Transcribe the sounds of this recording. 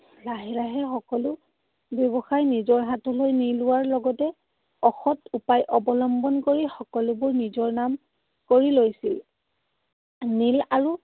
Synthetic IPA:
laɦiɹaɦɛxɔkɔlʊ | bjɔbɔxajnizɔɹɦatɔlojnilʊwaɹlɔɡɔtɛ | ɔxɔtupajʔɔbɔlɔmbɔnkoɹixɔkɔlʊbʊɹnizɔɹnam | koɹilojsil | nilaɹu

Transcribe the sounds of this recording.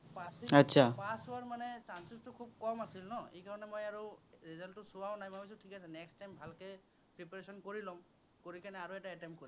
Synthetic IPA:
pasiatːsʰapasuaɹmanɛt͡ʃansistʊkʰub̚kɔmasilnɔekaɹɔnɛmojaɹuɹizɔntʊsuwaw̃najmabis̬utʰikasɛnɛksʈajmbʱalke | pɹipaɹesɔnkoɹilɔm | koɹikanɛaɹuɛtaɛtɛmpkoɹi

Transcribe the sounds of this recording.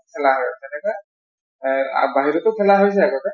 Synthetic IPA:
pʰɛlaɦaɔtɛnɛka | a̰baɦiɹɔtʊpʰɛlaɦojs̬ɛakɔkɛ

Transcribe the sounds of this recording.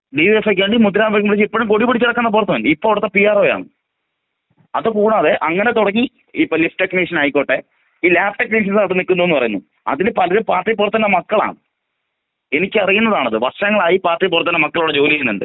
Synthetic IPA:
ɖiʋiefekːʋeːɳɖimud̪ɐɾaːmʋɐkːɐmpɽit͡ɕːipːoɻumkoɽipːuɽit͡ɕːɐɽɐkːɐnːɐp̬urt̪ːumɐnɖɨipːoːʋɽut̪ːɐpijaːroːja̰ːɳɨ | ɐðɨkuːɽaːðeʔɐŋːɐnet̪oɽɐŋːi | ipːolifʈekːniʂɐnɐjikːoːʈːe | iːlaːfʈekniʂɐnsaːʈːɨnikːunːuʋnːɨpɐrɐjunːu | ɐ̰ðinepɐlɐɾɨpaːrʈːijp̬ːurt̪ːɐnːɐmɐkːɐɭa̰ːɳɨ | e̞nikʲːɨɐrijunːɐðaːɳɐðɨʋɐrʂɐŋːɐɭaːjipaːrʈripːurɐt̪ːinːɐmɐkːɐɭuɽed͡ʑo̞ːlisineɳɖɨ̰

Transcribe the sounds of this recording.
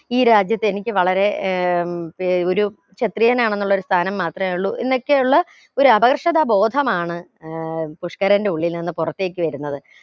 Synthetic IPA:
iːɾaːd͡ʑjɐt̪ːɨe̞nikʲːɨʋɐɭɐɾe̞ | o̞ɾu | t͡ɕet̪rijɐnaːɳe̞nːuɭːoɾust̪ʰaːnɐmːaːt̪rɐmeuɭːuʔḛnːo̞kːe̞juɭːɐ | o̞ɾuɐbɐkrɨʂɐðabo̞ːd̪ʱɐmaːɳɨ | puʂkɐɾɐnde̞uɭːilninːɨpurɐt̪ːe̞ːk̬ʲːɨʋɐɾunːɐðɨ

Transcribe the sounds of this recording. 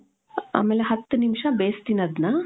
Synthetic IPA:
a̰ːmeːleɦɐt̪ːunimʂɐbeːst̪inɐd̪naː

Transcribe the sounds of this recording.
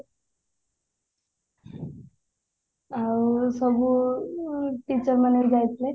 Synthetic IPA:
awsʌbu | ʈit͡sʌɾmanʌjd͡zajt̪ʰle

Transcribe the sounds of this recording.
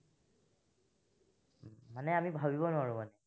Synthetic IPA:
anɛamibʱabibɔnʊaɹumanɛ

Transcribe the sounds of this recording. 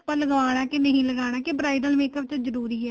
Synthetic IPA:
paːləɡaːɽ̃aːkɪnəɦĩːləɡaːɽ̃aːkebɾaːid̪əlmeːkəp̚t͡ʃazəɾuːɾiːɛː

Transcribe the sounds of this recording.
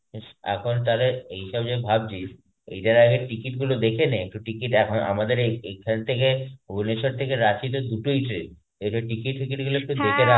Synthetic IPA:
eʃɛ̰kʰont̪ad̪eɾɦiʃabd͡ʑebʱabd͡ʑiʃ | ḛjʈaɾaɡeʈikiʈɡulod̪ekʰeneek̚ʈuʈikiʈɛkʰonʔa̰mad̪eɾeekʰant̪ʰekeoboneʃoɾt̪ʰekeɾat͡ɕit̪od̪uʈoitɾe | eʈoʈikiʈɦikiʈɡuloek̚ʈud̪ekʰeɾa

